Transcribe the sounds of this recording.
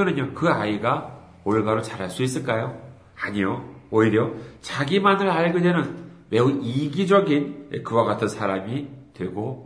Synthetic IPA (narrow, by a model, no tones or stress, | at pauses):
ɯnɯɲokɯaiɡa | oɭɡaɾot͡ɕaɾɦaɭs͈uis͈ɯɭk͈ajo | aɲijooiɾjʌt͡ɕaɡimanɯɭaɭɡedwe̞nɯnme̞uiɡid͡ʑʌɡinḛkɯwaɡatʰɯnsʰaɾamitwɯɭɡo